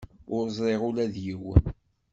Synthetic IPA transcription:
ʊɾzˤɾˤeʁulæðjiw

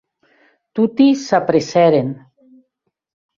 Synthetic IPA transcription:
t̪ut̪isapɾesɛɾen

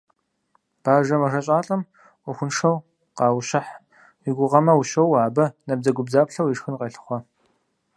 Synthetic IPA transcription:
b̥aːʒɐmɐʂɐɕʼaːɬʼɐmʷ | ʊxʷʊnʂɐw | qɑːwɕɐħ | wiɡʷʊʁɐmɐwʊɕɐwaːbɐnɐb̚zɐɡʷʊbzaːpɬɐwiʂxɨnqʼeɬɨ̥χʷɔ

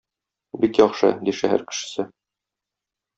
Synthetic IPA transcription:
bikjɒχʃɤ̰d̪iʃæhæ̰ɾkɘ̥̆ʃɘ̥̆sɘ

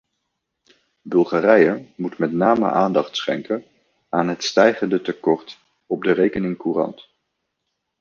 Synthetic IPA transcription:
bɵlˠχaːrɛjəmutmɛtnaːmə̰ʔaːndɑχtsχɛŋkən | aːnɦətstɛjχəndətəkɔɹt | ɔb̚dərejkənɪŋkuːrɑ̰nt

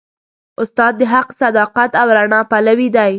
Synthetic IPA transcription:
ʊst̪ɑd̪ːəɦaqsad̪ɑqat̪awɾaɳɑpalawid̪aj

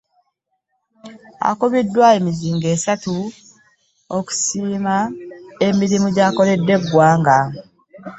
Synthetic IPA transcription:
a̰koβidːwaemiziːŋɡe̞ːsatu | oku̥siːmae̞miɾimuɟaːko̞le̞dːe̞ɡːwaːŋɡa

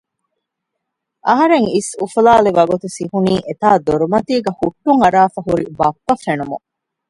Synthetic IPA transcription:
ʔɐɦɐɾeŋisufulaːleʋɐɡut̪usihuniːʔet̪aːd̪oɾumɐt̪iːɡɐhuʈːuŋɐɾaːfɐɦuɾibɐpːɐfenumṵ

